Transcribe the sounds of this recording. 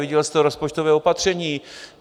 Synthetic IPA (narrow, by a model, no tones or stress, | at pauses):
ed͡ʑɛlst̪ɔɾɔspɔt͡ʃt̪ɔvɛɔpat̪ʂɛɲi